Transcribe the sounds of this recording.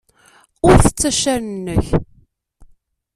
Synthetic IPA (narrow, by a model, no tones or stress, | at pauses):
ʊɾθə̥t͡sːæʃːæɾənːəç